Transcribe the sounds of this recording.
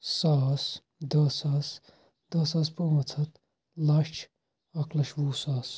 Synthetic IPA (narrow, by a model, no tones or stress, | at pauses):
saːs | d̪ɐsaːs | d̪̥ɐsaːs̬poːmɐt͡sʰɐt̪ | laːʃt͡ʃʰ | ɐklɐʃʋuːsaːs